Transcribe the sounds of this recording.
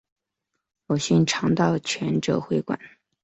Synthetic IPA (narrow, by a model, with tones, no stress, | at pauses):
fo˨˩ɕi˥˩nʈ͡ʂʰɑ˧˥ŋt̪ɑ˥˩ʊt͡ɕʰɥɛ˧˥nʈ͡ʂɤ̰˨˥xwe˧˥ɪkwa̰˨˩˦n